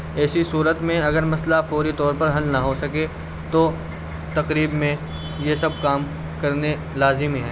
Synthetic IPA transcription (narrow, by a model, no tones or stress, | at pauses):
ɛːsisuːɾət̪mẽɐɡəɾmɐslafoːɾit̪ɔːɾpɐɾɦɐlnɐɦosɐke | t̪oː | t̪ɐqɾiːbmẽ | jesɐb̚kaːm | kɐɾne | laːzɪmiɦɛː